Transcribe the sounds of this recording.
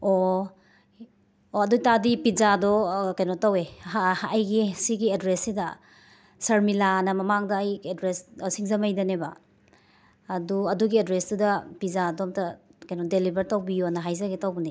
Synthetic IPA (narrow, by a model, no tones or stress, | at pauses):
o | oɐdujtadipizadɔkajnɔtaweɦahjɡisiɡiedɾesːidɐ̰ | sɐɾmilanɐmɐmaŋdɐːjedɾessiŋzɐmajdɐnebɐ̰ | duɐduɡiedɾesdudɐpizadɔmtɐkajnɔdelibɐɾtawbijonɐɦajzɐɡetawbɐni